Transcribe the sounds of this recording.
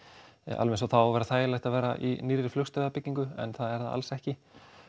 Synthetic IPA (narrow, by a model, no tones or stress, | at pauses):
a̰lvɛnsawθawvɛːɾaθaːjlajht̪avɛːɾaʔḭniɾːɪɾflʏxst̪aapɪcːiŋkʏɛ̰nθaðɛɾðaa̰lsɛhcɪ